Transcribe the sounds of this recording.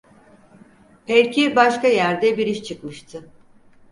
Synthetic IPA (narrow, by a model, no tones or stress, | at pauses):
ɛɾcʰibaʃkajæɾd̪ɛbiɾiʃt͡ʃʰɯkmɯʃt̪ʰɯ